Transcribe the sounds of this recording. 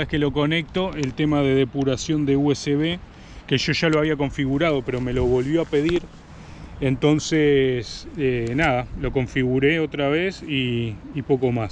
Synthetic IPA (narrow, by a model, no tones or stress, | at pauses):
ehkelo̞ko̞ne̞k̚t̪o̞elt̪emaðe̞ð̞e̞puɾasjo̞nd̪e̞ueseβe̞ | ke̞ʒo̞ʒaloaβ̞iako̞ɱfiɣuɾað̞o̞pe̞ɾo̞me̞lo̞βo̞lβjo̞ape̞ðiɾ | ent̪o̞nsesenaðalo̞ko̞ɱfiɣuɾe̞o̞t̪ɾaβe̞siːpo̞ko̞mas